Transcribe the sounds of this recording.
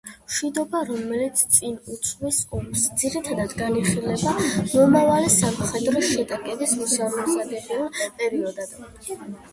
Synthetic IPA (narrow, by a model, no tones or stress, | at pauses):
ʃwid̪ɔbaɾɔmɛlit̪sʰt̪sʼinut̪sʰmisɔmɾsd̪z̥iɾit̪ʰad̪ad̪ɡaniχilɛbamɔmavalisamχɛd̪ɾɔʃɛt̪ʼakʼɛbismusaɾɔsaɡ̪ɛbiɔpʼɛɾiɔd̪ad̪̥